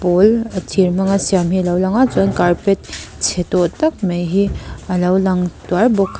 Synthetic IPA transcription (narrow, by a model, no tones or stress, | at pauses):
polɐtʰiɾmɐŋasijamɦilawlaŋazɔnkaɾpet̚t͡ʃʰetotɐk̚mejɦiɐlawlaŋtwaɾbokʰ